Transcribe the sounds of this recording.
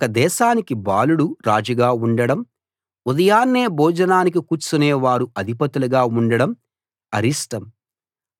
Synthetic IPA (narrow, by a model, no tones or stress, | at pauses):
kɐd̪ɛːʃaːnikibaːluɽuɾaːd͡ʒɐɡaːuɳɖɐɽɐm | ud̪ɐjaːnːeːbɔːd͡ʒɐnaːnik̬ikuːt͡ʃːuneːʋaːɾuɐd̪ʱipɐt̪ulɐɡaːuɳɖɐɽɐm | ɐɾisʈɐm